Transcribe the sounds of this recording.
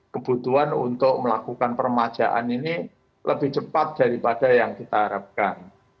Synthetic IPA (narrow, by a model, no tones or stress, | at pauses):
kəb̥ut̪uanṵnt̪ʊk̚məlakukanpərmḁd͡ʒ̥a̰ʔa̰nini | lʔəbɪht͡ʃəpat̪̚d̥aɾipad̥ajaŋkit̪aɦaɾap̚kan